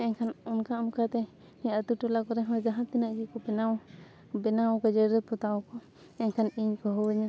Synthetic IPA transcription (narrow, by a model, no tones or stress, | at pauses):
ɛɲkʰanunkaunkat̪ɛ | niat̪uʈɔlakɔɾɛɦɔ̃jd͡ʒaɦãnt̪inaʔd͡ʒɛkɔbnaw | bɛnawkad͡ʒəɾd̪ɔput̪awɔkɔ | ɛɲkʰaniɲkɔɦɔwɛɲa